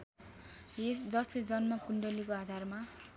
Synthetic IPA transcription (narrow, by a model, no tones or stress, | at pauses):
esd͡zʌsled͡zʌnmʌkuɳɖʌlikoad̪ʱarma